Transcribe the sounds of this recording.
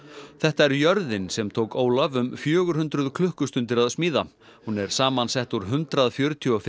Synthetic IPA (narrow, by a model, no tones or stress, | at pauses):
θɛht̪aɛɾjœɾðɪnsɛmt̪ʰoːwkoːwlavʏmfjœːɣʏɾ̥hʏnt̪ɾʏðkʰlʏhkʏst̪ʏnt̪ɪɾaðsmiːða | hunɛɾ̥saːmansɛht̪uɾ̥ɦʏnt̪ɾaðfjœɾʏt̪ʰjɔɔf